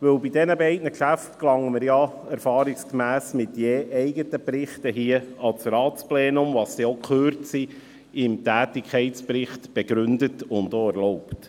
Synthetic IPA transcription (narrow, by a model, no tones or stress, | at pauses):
ʋɵwbidɛnəbɛɪdnəkʃæftklɑŋːəməɾjɑɛɾfɑːɾɪkskmæːsmɪtjeːʔɛɪɡətəpɾɪχtəɦiəɑt͡sɾɑːtt͡splɛːnʊmʋɑsd̥ɛokʰχøːɾtsi | ɪmtæːtɪkʰχɛɪtspɾɪχtb̥eɡ̥ɾʏndətʊntoɛɾlɔʊpt